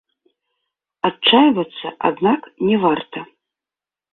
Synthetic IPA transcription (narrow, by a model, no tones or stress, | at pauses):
at͡ʂajvɐt̪sːɐ̰ʔa̰d̪naknʲɛvart̪ɐ